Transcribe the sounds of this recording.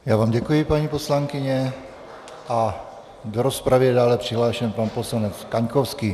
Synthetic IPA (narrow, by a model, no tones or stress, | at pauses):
jaːvaːmɟɛkujɪpaɲiːposlaŋkɪɲɛ | ʔa | doɾospɾavɪɛdaːlɛpr̝̥ɪɦlaːʃɛmpanposlanɛt͡skaɲkofskiː